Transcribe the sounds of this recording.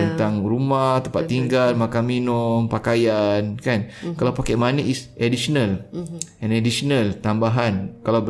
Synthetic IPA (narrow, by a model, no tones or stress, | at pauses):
ənt̪aŋrumaht̪əmpat̪ːiŋɡalmakaminʊmpakajankankalawpakajmanəʔisʔedisonalɛ̃nedisonalt̪ambaɦankalaw